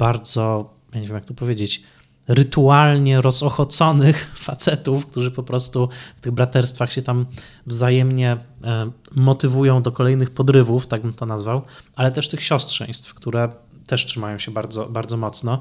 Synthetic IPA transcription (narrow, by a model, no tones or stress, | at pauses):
b̥aɾd̪zɔ | jaɲevʲjemjak̚t̪ɔpɔvʲjed͡ʑet͡ɕ | ɾɘt̪ualɲɛɾɔzɔxɔt̪sɔnɘxfat̪sɛt̪ufk̚t̪uʐɘpɔpɾɔst̪uft̪ɘɣbɾat̪ɛɾst̪faxɕɛt̪am | vzajɛmɲɛ | mɔt̪ɘvujɔ̃w̃d̪ɔkɔlɛjnɘxpɔd̪ɾɘvuft̪aɡ̚bɘmt̪ɔnazvawʔalɛt̪ɛʂt̪ɘxɕɔstʂɛ̰j̃st̪fkt̪uɾɛ | t̪ɛʂtʂɨmajɔ̃w̃ɕɛbaɾd̪zɔbaɾdzɔmɔt̪snɔ